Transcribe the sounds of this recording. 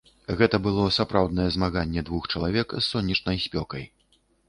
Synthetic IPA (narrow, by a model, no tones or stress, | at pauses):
ɣɛt̪ɐbɨlˠɔsapɾawd̪̚nɐjɛzmaɣanʲːɛd̪vuxt͡ʂɐlˠavʲɛksːɔnʲːɛt͡ʂnɐjsʲpʲɔkɐj